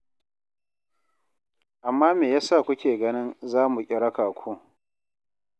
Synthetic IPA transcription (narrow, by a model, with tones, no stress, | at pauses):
ʔa˨mːaː˦meː˨jaː˦sa˦˨kʷʊ˦kʲeː˨ɡɐ˦nɪ˦nzaː˦mu˨kʲʼɪ˨ɽɐ˦kaː˨kʷʰu˦